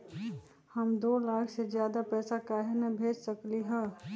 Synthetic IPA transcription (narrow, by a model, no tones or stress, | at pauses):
həmd̪oːlaːkʰsed͡ʒjaːd̪apɛːsakaɦenəbʱeːd͡ʒsəkliɦɛ̃ː